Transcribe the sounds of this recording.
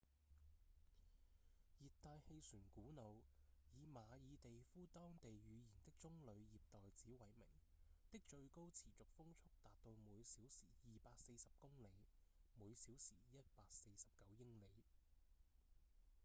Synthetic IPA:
jiː˨t̚t̪aː˧jhe˧jsyː˨˩nkuː˨˥no˨wjiː˨˧maː˨˧jiː˨˧t̪e˨jfuː˥t̪ɔː˥ŋt̪e˨jɥyː˨˧jiː˨˩nt̪ɪ˥k̚t͡sʊ˥ŋlɵ˨˧ɥjiː˨p̚t̪ɔː˨jt͡siː˨˥wɐ˨˩jmɪ̰˨˩ŋt̪ɪ˥k̚t͡ʃɵ˧ɥko˥wt͡sʰiː˨˩t͡sʊ˨k̚fʊ˥ŋt͡sʰʊ˥k̚t̪aː˨t̚t̪o˧wmuː˨˧jsiː˨˥wsiː˨˩jiː˨paː˧k̚se˧jsɐ˨p̚kʊ˥ŋle˨˧jmuː˨˧jsiː˨˥wsiː˨˩jɐ˥t̚paː˧k̚se˧jsɐ˨p̚kɐ˨˥wjɪ˥ŋle˨˧j

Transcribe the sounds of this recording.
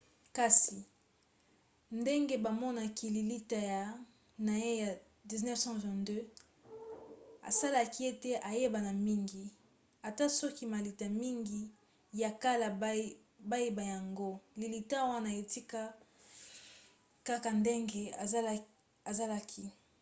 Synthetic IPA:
ka˦si˨ | nde˦ŋɡe˦ba˨mɔ˦na˨ki˨li˨li˦ta˦ja˨ | na˨je˦ja˨ | di˨znɛ˦fsɑ̃˦vɛ̃˨ndø˦ | a̰˨sa˦la˦ki˦e˦te˦ʔa˨je˦ba˨na˨mi˦ŋɡi˨ | a˨ta˦sɔ˦ki˦ma˨li˨ta˨mi˦ŋɡi˦ | ja˨ka˦la˨˦ | ba˦je˦ba˨ja˨ŋɡo˦li˨li˨ta˦wa˦na˨e˨ti˦ka˦ | ka˦ka˨nde˦ŋɡe˨˦ | a˨za˦la˦kʰi˨

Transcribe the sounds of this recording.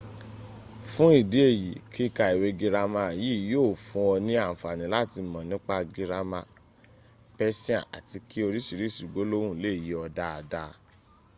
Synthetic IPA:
fũ˦i˦˨de˨˦e˦˨ji˨kʰi˦ka˧i˨we˦ɡi˧ɾa˦mã˧˨ji˦˨joː˦˨fũ˧ɔ˧nĩ˦ã˦˨fa˨nĩ˨˦la˦ti˧mɔ̃˨nĩ˨˦k͡pa˦ɡi˧ɾa˧mã˧ | pɛ˦sĩ˦ã̰˨ʔa̰˨ti˧ki˦o˧ɾi˦ʃi˨˧ɾi˨˦˨ʃu˨ɡ͡bo˨˦lo˦wũ˦˨le˦˨ji˨˦ɔ˧da˦a˨da˦˧

